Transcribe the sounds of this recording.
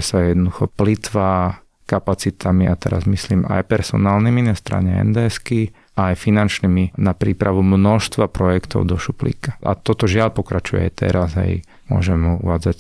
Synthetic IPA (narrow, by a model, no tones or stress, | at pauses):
sajɛd̪nɔd̪uxɔplit̪ʋaː | kapat͡sit̪ʰamiʔat̪ɛ̰ɾa̰zmisliːma̰jpɛɾsɔ̰naːlniminast̪ɾa̰ːɲɛɛ̰nd̪ɛski | aːjfinant͡ʃniminapɾiːpɾaʋumnɔʃst̪ʋapɾɔjɛkt̪ɔ̰ʊd̪ɔʃuplḭkḁʔa̰t̪ɔt̪ɔʒɪaʎpɔkɾat͡ʃujɛ̰jt̪ɛ̰ɾaza̰j | mʊɔ̰ʒɛmɦuṵʋaːd͡zac